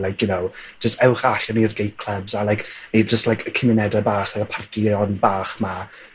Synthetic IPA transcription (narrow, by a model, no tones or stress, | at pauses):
lajk̚ʰjʊnowd͡ʒ̥əstɛwχaɬanirɡejtkʰl̥ˠəbzalajkid͡ʒəstlajkʰəkʰɪmɪnɛdabaːχlakəpʰartʰiɔnbaːχma